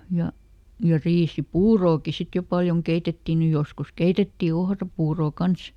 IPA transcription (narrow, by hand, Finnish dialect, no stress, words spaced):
jɑ jɑ riːsipuːroːki sit jo pɑljoŋ keitetːi ny joskus keitetːi ohrɑpuːroˑ kɑns